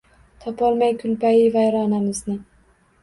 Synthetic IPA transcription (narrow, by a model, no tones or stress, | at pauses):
t̪ʰɒpʰɒlˠmajkʲʰʊlpajɪvajɾɒnamɪznɪ